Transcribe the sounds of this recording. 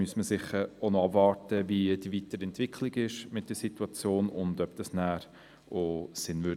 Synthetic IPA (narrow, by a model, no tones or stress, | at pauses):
myəsməsɪχəɾonoɑbvɑːɾtəvidiviːtəɾɛntvɪkʰliɡɪʃmɪt̚d̥əsituɑt͡sjoːnʊndœb̥d̥ɑsnæːɾ | osɪnvø